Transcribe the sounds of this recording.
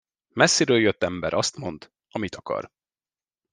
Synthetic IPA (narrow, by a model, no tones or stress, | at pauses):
mɛsːiɾøːljøt̪ːɛmbɛɾʔɒst̪mo̞nd̪ | ɒmit̪ʰɒkɒ̰r